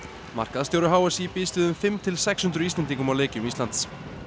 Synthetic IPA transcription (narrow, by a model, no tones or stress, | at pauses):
ma̰r̥kaðast̪jowɾʏɦaːwasipiːst̪ɪðʏmfɪmt̪ʰɪlsɛkshʏnt̪ɾʏist̪ɛnt̪iŋkʏmawleːcɪmist̪ant̪s